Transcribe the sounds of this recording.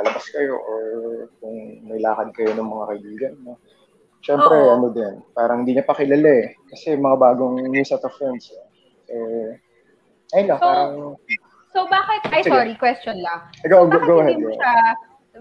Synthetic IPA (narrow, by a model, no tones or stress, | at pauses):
ɐlɐbɐskɐjo̞̰ʔokʊŋmɐjlaːkɐnkɐjo̞nɐŋmɐŋakɐʔɪbiːɡɐnːo | ʃɛmpɾɛʔɐno̞d̪ɛnpaːɾɐŋhɪnd̪iːɲɐpɐkɪlɐlɛkɐsɛmɐŋabaːɡoŋmuːsɐt̪ɐfɾɛnd̪s | ʔɛ | ʔɐjlɐpaːɾɐŋ | sobaːkɪt̪ajsɪɡɾikwɛst͡ʃonlɐ | ɡoʔɡoɡowʔɐɦɛd̪jo̰a